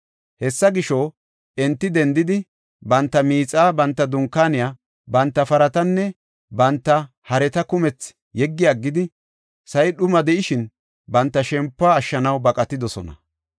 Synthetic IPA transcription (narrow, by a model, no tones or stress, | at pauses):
hɛsːɐɡɪʃɔ | ɛnt̪ːɪd̪ɛnd̪ɪd̪ɪ | bɐnt̪ːɐmiːt͡sʼaːbɐnt̪ːɐd̪ʊŋkːaːnɪjaː | bɐnt̪ːɐfɐɾɐt̪ɐnːɛ | bɐnt̪ːɐ | hɐɾɛt̪ɐkʊmɛt͡s | jɛɡːɪjaɡːɪd̪ɪ | sɐjɗʊmɐd̪ɛʔɪʃɪn | bɐnt̪ːɐʃɛmpːaːʃːɐnɐwbɐkʼɐt̪ːɪd̪ɔsɔ̰nɐ̰